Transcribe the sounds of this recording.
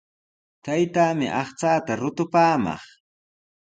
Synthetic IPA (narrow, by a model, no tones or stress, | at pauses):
t̪ajt̪aːmɪʔɑχt͡saːt̪aɾʊt̪ʊpaːmɑ̰χ